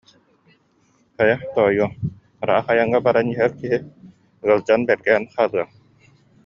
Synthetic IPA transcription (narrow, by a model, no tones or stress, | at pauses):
χœjat̪ɔːjuɔ | ɾa̰ːχajaŋːabaɾaniɦɛɾkiɦi | ɯɐlˠd͡ʑanbɛɾɡɛɦɛnχaːlˠɯa